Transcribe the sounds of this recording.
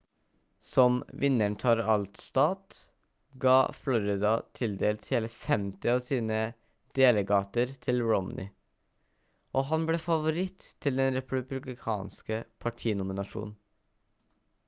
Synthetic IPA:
sɔmʋɪnːəɳʈʰɑɾɑlt̪st̪ɑːt̪ | ɡɑ̰ːflɔɾɪd̪ɑt̪ʰɪld̪eːlt̪heːləfɛmt̪ɪɑːʋsiːnə | d̪̥eːləɡɑːt̪əɾt̪ʰɪlɹɔm̰nʔɪ̰ | ʔɔːɦɑnblɛːfɑʋʊɾɪt̪ʰːɪld̪ɛnɾɛpʉbʉblɪkʰɑ̰ːnskəpʰɑʈʰiːnʊmɪnɑʂṵːnn̩

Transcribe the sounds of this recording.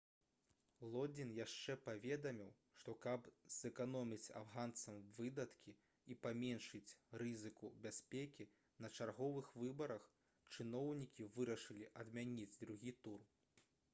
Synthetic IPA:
lˠɔd͡zʲinjaʂt͡ʂɛpavʲɛd̪ɐmʲiw | ʂt̪ɔkɐbz̥ɛkan̪ɔmʲit͡sʲa̰vɣant̪sɐmvɨd̪ɐt̪kʲi | ipamʲɛnʂɨt͡sʲrɨzɨkubʲasʲpʲekʲi | nɐt͡ʂarɣɔvɨxvɨbɐɾɐx | t͡ʂɨnɔwnʲikʲivɨɾɐʂɨlʲiʔɐd̪mʲanʲid͡zʲd̪ɾuɣʲit̪ur

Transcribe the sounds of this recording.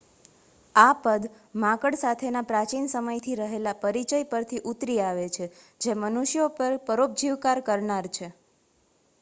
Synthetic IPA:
apəd̪ | mãkəɽsat̪ʰenapɾat͡ʃinsəməjt̪ʰiɾəɦelapəɾit͡ʃəjpəɾt̪ʰiʔut̪ɾiaʋet͡ʃʰe | d͡ʒemənuʃjopəɾpəɾop̚d͡ʒiʋkaɾkəɾɳaɾt͡ʃʰe

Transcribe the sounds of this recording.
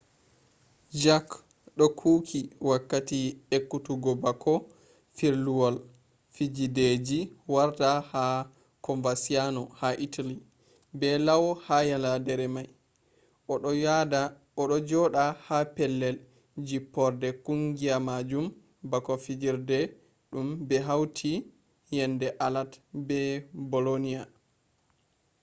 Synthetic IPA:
d͡ʒak | ɗɔkʰuːkʰiwakːatiekːutuɡɔbakʰɔ | fiɾluwɔl | fid͡ʒided͡ʒiwaɾtaha | kɔɱvasianɔhaʔitʰali | bɛlawɔhajaladɛɾɛmaj | a | ɔɗɔd͡ʒɔɗahapɛlːɛl | d͡ʒipːɔɾdɛkuŋɡiamad͡ʒum | bakɔfid͡ʒiɾdɛ | ɗumbɛɦawtʰi | jɛndɛʔalatbɛbɔlonija

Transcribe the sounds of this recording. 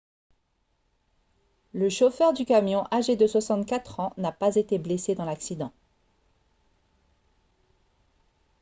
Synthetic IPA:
ləʃofœʁd̪ykamjɔ̃ʔaʒed̪əswasɑ̃t̪kʲat̪χɑ̃napazet̪eblesed̪ɑ̃laksid̪ɑ̃

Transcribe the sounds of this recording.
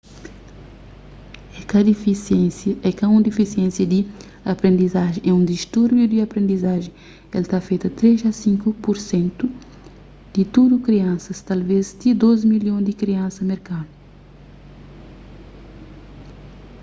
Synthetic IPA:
ɛkɐd̪ifiẽsɛkɐũd̪ifisiẽnsjɐd̪i | ɐpɾẽnd̪izaʒẽʔɛũd̪iʃt̪uɾbjud̪iɐpɾẽnd̪izaʒẽj | ɛlt̪afejt̪ɐt̪ɾezɐsĩŋkupuɾsẽnt̪u | d̪̥it̪ud̪ukɾiɐ̃nsɐst̪alvezt̪id̪ozmiljõd̪ikɾiɐ̃nsɐmeɾkad̪u

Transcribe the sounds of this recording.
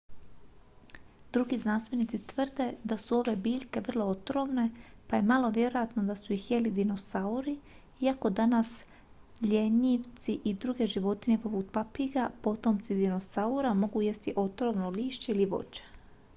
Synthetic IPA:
d̪ɾuɡiznanst̪ʋe̞nit̪sit̪ʋr̩d̪e̞d̪asuo̞ʋe̞biːʎʲke̞ʋr̩lˠo̞ot̪ɾo̞mne̞paje̞malˠo̞ʋje̞ɾo̞jat̪no̞d̪asuixje̞lid̪ino̞sauɾi | iako̞d̪anas | ʎeɲiʋt̪siʔid̪ɾuɡe̞ʒiʋo̞t̪ine̞po̞put̪̚papiɡapo̞t̪o̞mt̪sid̪ino̞sauɾamo̞ɡuje̞st̪iʔo̞t̪ɾo̞mnoliːʃt͡ɕeiliʋo̞̰t͡ʃe̥

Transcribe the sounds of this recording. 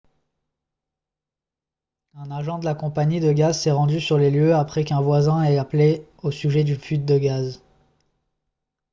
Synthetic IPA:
ɛ̃naʒɑ̃d̪əlakɔ̃paɲid̪əɡazsɛʁɑ̃d̪ysyʁleljøapχɛkɛ̃vwazɛ̃ɛapleosyʒɛd̪yfyt̪̚d̪əɡaz

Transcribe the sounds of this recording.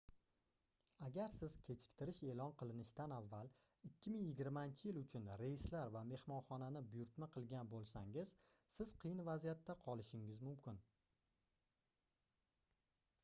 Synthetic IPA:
aɡʲaɾsɪz̥kʲʰe̞t͡ʃʰɪ̥k̚ʲt̪ʰɪɾɪʃe̞lɒnqʰɨlˠɪnɪʃt̪anavːal | ɪkʲʰːɪmɪŋjɪɡʲɪɾmaɪnt͡ʃʰɪjɪlʊt͡ʃʰʊnɾejɪslaɾvame̞hmɒnχɒnanɪbʊjʊɾt̪maqʰɨlˠɡʲanbolˠsa̰ŋɪz̥sɪz̥qʰɨjɪnvazijat̪ʰːaqʰɒlˠɪʃɪŋɪzmʊmkʲɪn

